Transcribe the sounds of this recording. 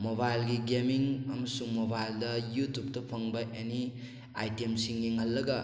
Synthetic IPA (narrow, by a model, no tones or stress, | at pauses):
mobajlɡiɡemiŋamɐsuŋmobajldɐjutup̚tɐpʰɐŋbɐʔeni | ajtemsiŋːiŋhɐlːɐɡɐ